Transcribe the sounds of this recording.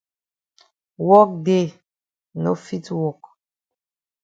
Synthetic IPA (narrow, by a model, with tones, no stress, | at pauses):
wɔ˦k̚de˦˨ | no˦fi˦twɔ˨k